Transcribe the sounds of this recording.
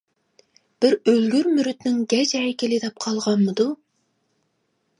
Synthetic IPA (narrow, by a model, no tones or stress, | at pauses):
b̥ɪɾølɡʲyɾmyɾyt̪nɪŋɡʲɛd͡ʒɛjɪkʲʰelɪd̪ɛp̚qʰɑlˠʁɑnmɨd̪u